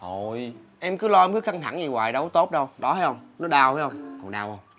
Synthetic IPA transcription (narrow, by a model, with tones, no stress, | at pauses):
ho˨˩j | ʔɛ˧mkɨ˨˦lɔ˧ʔɛ˧mkɨ˨˦xa˧ŋt̪ʰa̰˧˩ŋzi˨˩wa̰ː˨jɗə˨˦wt̪o˦˥t̚ɗə˧wɗɔ˨˦haː˨˦jhə˧wŋ͡mnɔ˨˦ɗaː˧waː˨˦jhə˧wŋ͡mkʊ̰˨˧˩ŋ͡mɗaː˧whə˧wŋ͡m